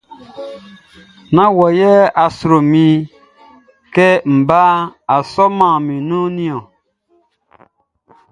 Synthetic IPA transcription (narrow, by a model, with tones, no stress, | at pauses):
nã˦wɔ˨jɛ˦a˨su˨ɾo˨mĩ˧ | kɛ˦m̩˨baː˦a˨sɔ˦mã˨mĩ˨nũ˦nĩ˦ɔ̃˨